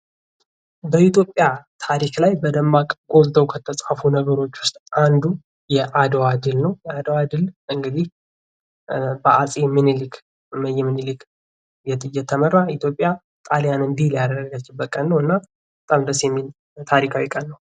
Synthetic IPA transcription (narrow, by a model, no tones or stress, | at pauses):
bəit̪ʰjo̞pʼːjat̪ʰaɾiklajbəd̪əmːakʼəɡo̞lt̪ʰəwkʰət̪ʰəsʼafunəɡəɾo̞t͡ʃːwʊst̪ʼand̪u | jɛʔad̪əwad̪ɨlnəwjɛad̪əwad̪ɨlɨŋɡɨd̪ih | bəʔasʼemɨnlɨk | jɛmːɨnilɨk | jɛt̪ʼɨjːɛt̪ʰːəmərːait̪jo̞pʼja | t̪ʼaljanɨnd̪ilijad̪əɾəɡət͡ʃːɪbəkʼːənːəwɨnːa | bət̪ʼamd̪əsjɛmːil | t̪ʰaɾikʰawikʼənːəw